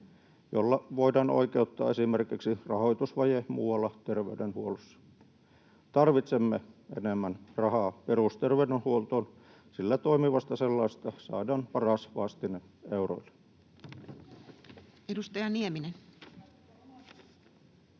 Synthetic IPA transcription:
jo̰lːɑʋoidɑːno̰ikeut̪ːɑ̰ːesimerkiksirɑhoit̪usʋɑjemṵːwɑlːɑt̪erʋeydenhuolusːɑ̥ | t̪ɑrʋit̪semːeḛnemːænrɑhɑːperust̪erʋeydenhuolt̪oːn | silːæt̪oimiʋɑst̪ɑselːɑˑist̪ɑsɑ̰ːdɑːnpɑrɑsʋɑˑst̪inen | euro̰ile | edust̪ɑjɑnieminen

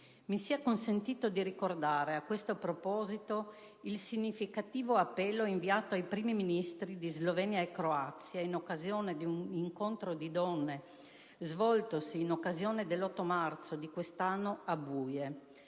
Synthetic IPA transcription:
misiakonsent̪iːt̪od̪iɾikord̪aːɾeakwest̪opɾopɔːzit̪o | ilsiɲːifikat̪iːvoapːɛlːoiɱviaːt̪oajpɾiːmiminist̪ɾid̪izlovɛnjaekɾoat̪sjainokːazjoːned̪iuniŋkont̪ɾod̪id̪ɔnːe | zvɔlt̪osiːnokːazjoːned̪elːɔt̪ːomart̪sod̪ikwest̪anːoabuːje

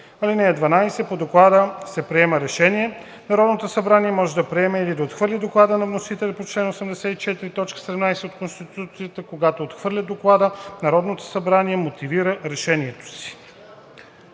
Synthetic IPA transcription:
ɐlinɛːd̪vɐnajsɛpod̪oklˠad̪əsɛpɾiɛməɾɛʃɛniɛ | nɐɾɔd̪not̪osɐbɾaniɛmɔʒɛd̪ɐpɾiɛmɛilid̪ɐot̪xvɤɾlʲid̪oklˠad̪ənɐvnosit̪ɛlʲɛpot͡ʃlɛnosɛmd̪ɛsɛit͡ʃɛt̪iɾit̪ɔt͡ʃkə̥sɛd̪ɛmnajsɛot̪konst̪it̪ut̪sijət̪əkoɡat̪oot̪xvɤɾlʲəd̪oklˠad̪ənɐɾɔd̪not̪o̥sɐbɾaniɛmot̪iviɾəɾɛʃɛniɛt̪o̥si̥

